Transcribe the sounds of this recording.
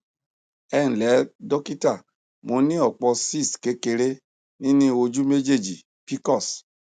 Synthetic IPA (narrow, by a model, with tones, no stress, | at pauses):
ɛ̃˦˨lɛ˨˦dɔ˦ki˦ta˦˨ | mo˧nĩ˦ɔ˦˨k͡pɔ˧si˦˨ske˨˦ke˧ɾe˦ | nĩ˦nĩ˦o˧d͡ʒu˦me˦d͡ʒe˦˨d͡ʒi˨ | pi˦kɔ˦˨s